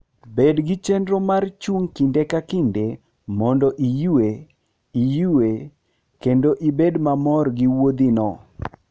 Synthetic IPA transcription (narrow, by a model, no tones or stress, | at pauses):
bedɡɪt͡ʃendɾɔmart͡ʃuŋkindekakinde | mɔndɔʔijuwe | ijuwe | kendoʔibedmamɔrɡiwod̪inɔ